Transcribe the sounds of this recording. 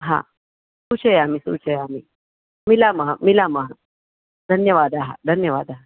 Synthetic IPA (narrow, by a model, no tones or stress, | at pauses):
ɦã̰ | sut͡ɕʰəjamisṵt͡ɕʰəjami | milaməɦamilaməɦa | d̪ʱənjəʋad̪aɦa̰d̪ʱənjəʋad̪aɦa